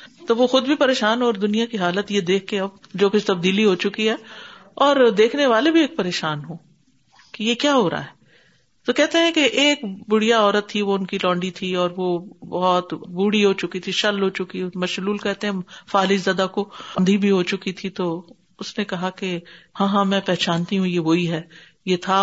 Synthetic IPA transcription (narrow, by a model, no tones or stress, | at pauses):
t̪oʋoxʊd̪̚bʱipɐɾeːʃaːnɦɔːɾd̪ʊnijakiɦaːlət̪jed̪eːkʰːeɐb̚d͡ʒoːkʊt͡ʃʰt̪ɐb̚d̪iːliɦot͡ʃʊkiɦɛː | ɔːɾd̪eːkʰneʋaːlebʱieːk̚pɐɾeːʃaːnɦõː | kijekjaːɦoːɾa̰ɦɛː | t̪okɛɦt̪eɦɛ̃keʔeːkbʊɽ̤ijaɔːɾət̪ʰːiʋoʊnkilɔ̃ːɳɖit̪ʰiɔːɾʋobɐɦɔt̪buːɽiɦot͡ʃʊkit̪ʰiʃɐlɦot͡ʃʊkimɐʃluːlkɛɦt̪eɦɛ̃faːlid͡ʒzɐd̪akoɐ̃nd̪ʱibʱiɦot͡ʃʊkit̪ʰit̪o | ʊsnekɐɦakehãːɦãmɛ̃ːpɛɦt͡ʃaːnt̪iɦũjeʋoːiɦɛː | jet̪ʰa